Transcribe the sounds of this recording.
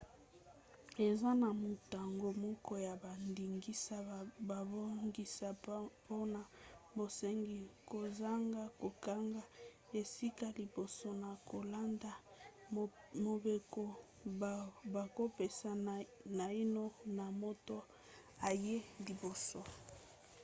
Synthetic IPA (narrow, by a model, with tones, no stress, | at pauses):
e˨za˦na˨mo˨ta˨ŋɡo˨mɔ˦kɔ˦ja˨ba˨ndi˨ŋɡi˦sa˦ba˨bo˦ŋɡi˦sa˨po˦na˨bo˨se˦ŋɡi˦ko˨za˦ŋɡa˦ko˨ka˦ŋɡa˦ | e˨si˦ka˦li˨bo˨so˦na˨ko˨la˦nda˨ | mo˨be˨ko˦˨ | ba˨ko˦pe˨sa˨na˨i˦no˦na˨mo˦to˦ | a˨je˦li˨bo˨so˦